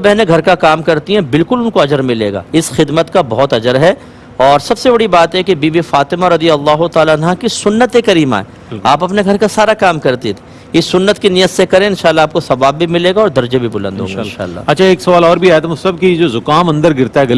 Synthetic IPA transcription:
bɛɦneɡʱɐɾkakaːmkɐɾt̪iɦɛ̃bɪlkʊlʊnkoɐd͡ʒəɾmɪlḛːɡa̰ːɪsxɪd̪mət̪kabɐɦɔt̪ɐd͡ʒəɾɦɛ | ɔːɾsɐbsebɐɽibaːt̪ɦɛkibiːbifaːt̪ɪmaɾɐd̪ijɐlːaːɦʊt̪aːlaːnɦakisʊnːət̪ekɐɾiːma̰ːɛ | aːpɐpneɡʱɐɾkasaːɾakaːmkɐɾt̪it̪ʰ | ɪsːʊnːət̪kinijət̪sekɐɾẽɪ̃nʃaːlːaːp̚kosɐʋaːbːʱimɪleːɡaɔːɾd̪ɐɾd͡ʒebʱibʊlə̃nd̪ɦo̰ːɡɡɪ̃nʃa̰ːlːa̰ːɐtːʃʰaeːksɐʋaːlɔːɾbʱiɛːt̪ɐmʊsɐb̚kid͡ʒoːzʊkaːmɐ̃nd̪əɾɡɪɾt̪aɦɛɡɐ

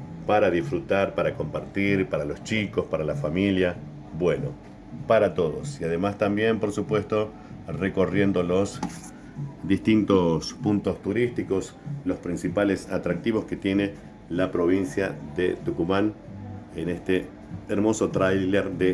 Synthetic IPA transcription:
paɾaðifɾut̪aɾpaɾako̞mpaɾt̪iɾpaɾalo̞st͡ʃiko̞spaɾalafamilja | bwe̞no̰ | paɾat̪o̞ðo̞̰siað̞emast̪ambje̞mpo̞ɾsupwe̞st̪o̞ | reko̞rje̞nd̪o̞lo̞s | d̪ist̪int̪o̞spunt̪o̞st̪uɾist̪iko̞slo̞spɾĩnsipale̞sat̪ɾak̚t̪iβo̞ske̞t̪je̞ne̞ | lapɾo̞β̞insjaðet̪ukumãn | enest̪eː | ɾmo̞so̞t̪ɾajleɾðe

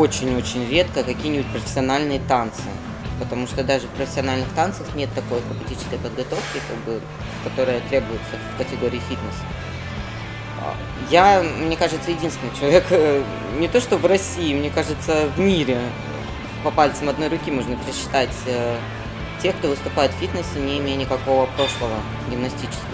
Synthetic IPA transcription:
o̞t͡ɕɪnʲo̞t͡ɕɪnʲɾʲe̞t̪kəkɐkʲijnʲɪbʲʊtʲpɾəfʲɪ̥sʲɪɐnalʲnɨjət̪ant̪sɨɪ | pət̪ɐmuʂt̪od̪aʐɨfpɾəfʲɪsʲɪɐnalʲnɨxt̪ant̪sɨəxnʲe̞t̪ːɐko̞jkɐpʲɪtʲit͡ɕɪ̥skəjpəd̪ɡɐt̪o̞fkʲɪkaɡ̚bɨ | kɐt̪o̞ɾɨjət̪ɾʲe̞bʊjʊt̪səfkətʲɪɡo̞ɾʲɪːfʲit̪nəsə̥ | jamnʲe̞kaʐɨt̪səjɪdʲinst̪vʲɪnɪt͡ɕɪlˠɐvʲek | nʲɪt̪o̞ʂt̪o̞vrɐsʲiːmnʲe̞kaʐɨt̪səvmʲiɾʲɪ | pɐpalʲt̪səmɐd̪no̞jɾʊkʲimoʐnəpʲɪɾʲɪɕːɪ̥t̪atʲə | tʲe̞xkt̪o̞vɨst̪ʊpajɪt̪fʲit̪nəsʲɪnʲɪɪmʲejənʲɪkɐko̞vəpɾo̞ʂlˠəvə | ɡʲɪmnɐsʲtʲit͡ɕɪ̥skʲɪ

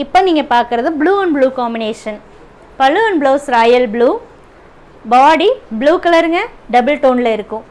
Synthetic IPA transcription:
ɪpːoːniːŋɡɐpaːɾkɯɾɐðɯbluːɐɳbluːkaːmbɪneːʂɐn | pɐlːɯɐɳbloːsɾaːjɐlbɭuː | baːɽibluːkɐlɐɾɯŋɡɐɖɐbɯlʈoːnlɐɪɾɯkːʊ̃

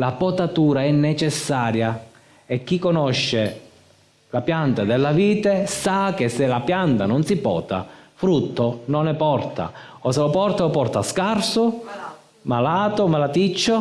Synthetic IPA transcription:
lapɔt̪at̪uːɾaɛnːet͡ʃɛsːaːɾja | ek̟ːikːonɔʃːe | lapjant̪ad̪elːaviːt̪esak̟esːelapjant̪anɔnsipɔ̰ːt̪a̰fɾut̪ːononɛpɔrt̪a̰ | ɔselopɔrt̪aopɔrt̪askarso | malaːt̪omalat̪it͡ʃːo

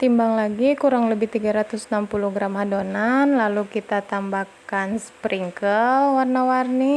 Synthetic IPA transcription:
t̪imbaŋlaɡikuɾaŋləbɪht̪iɡaɾat̪usnampuluɡɾamhadonanlalukit̪at̪ambakanspɾiŋkəlwarnawarni

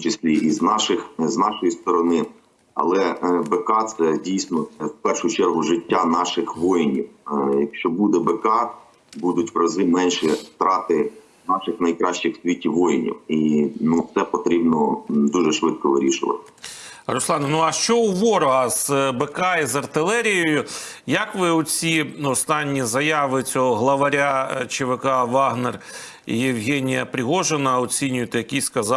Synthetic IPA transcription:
mt͡ʃɪsʲlʲiʔiznɑʃɪxznɑʃɔjist̪ɔɾɔnɪ | ɐ̰lˠɛbɛkɑt̪sɛdʲijsʲnɔɛwpɛrʃʊjʊt͡ʃɛrɦʊʒɪtʲːanɑʃɪxʋɔjɪnʲiwjɐkʃt͡ʃɔbud̪ɛbɛkɑ | bud̪ʊtʲʋɾɐzɪmɛnʲʃɛst̪ɾɑt̪ɪ | nɑʃɪxnɐjkɾɑʃt͡ʃɪxsʋʲitʲːiʋɔjɪnʲḭwinut̪sɛpɔt̪ɾʲibnɔd̪uʒɛʃʋɪt̪̚kɔʋɪɾʲiʃɪʋɐ̰t̪ɪ̥ | rɔslˠɑnnuɐʃt͡ʃɔwʋɔɾɔɦɐz̥bekɑizɐrt̪ɪlˠɛɾʲijɔjʊjɐkʋɪʊt͡sʲiɔst̪ɑnʲːizɐjɑʋɪt͡sʲɔɦɔɦlˠɐʋɐɾʲat͡ʃɪʋekɑʋɑɦner | ḭjɪwɦɛnʲijɐpɾʲɪɦɔʒenɐɔt͡sʲinʲʊjet̪ɛjɐkʲijskɐzɑ

